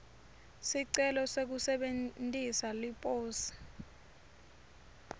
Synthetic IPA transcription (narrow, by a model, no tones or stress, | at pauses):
siǀɛlɔsek̬usɛɓentʼisalipʼoːsi̥